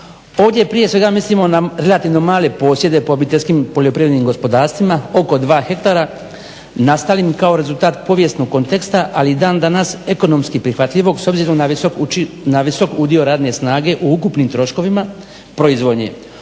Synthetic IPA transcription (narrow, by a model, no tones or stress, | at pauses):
o̞ːʋd̪ʲjepɾije̞sʋe̞ɡamislimo̞naɾe̞lat̪iʋno̞maːle̞po̞ːsje̞d̪e̞poobit̪e̞lʲskimpo̞ʎo̞pɾiʋɾed̪niːmɡo̞spo̞d̪aːɾst̪ʋimao̞ko̞d̪ʋaːxe̞kt̪aɾa | nast̪alimkao̞ɾe̞zulˠt̪aːt̪po̞ʋje̞st̪no̞ɡ̚kːo̞nt̪e̞kst̪aʔalid̪aːnd̪anase̞ko̞no̞mskipɾixʋat̪ʎʲiʋo̞ɡso̞bziːɾo̞mnao | naʋiso̞kud̪io̞ɾaːd̪nesnaːɡe̞ʔuukupnimt̪ɾo̞ʃko̞ʋima | pɾo̞izʋo̞d̪ɲe̞̰